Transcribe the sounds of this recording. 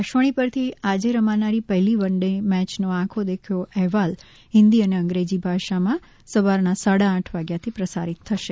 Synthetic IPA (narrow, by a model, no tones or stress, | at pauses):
aʃʋəɽ̃ipəɾt̪ʰiad͡ʒeɾəmanaɾipəɦɛliʋəɳɖemɛt͡ʃnoãkʰod̪ekʰjoʔɛɦɛʋal | ɦɪnd̪iəneə̃ŋɡɾed͡ʒibʱaʃamã | səʋaɾnasaɽãːʈʰʋaɡjat̪ʰipɾəsa̰ɾit̪ʰːəʃe